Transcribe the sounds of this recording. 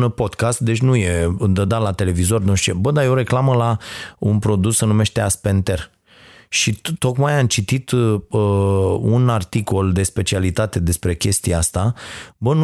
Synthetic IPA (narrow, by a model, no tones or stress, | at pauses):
po̞d̪kast̪̚d̪e̞t͡ʃʲnuje̞ɨnd̪əd̪alat̪e̞le̞vizo̞rnonʃt͡ʃebəd̪ajo̞ɾe̞klaməlaunpɾo̞d̪usːənume̞ʃt̪e̞aspe̞nt̪e̞r | ʃit̪o̞kmajamt͡ʃit̪it̪əunart̪iko̞ld̪e̞spe̞t͡ʃialit̪at̪e̞d̪e̞spɾe̞kʲe̞st̪ieast̪abən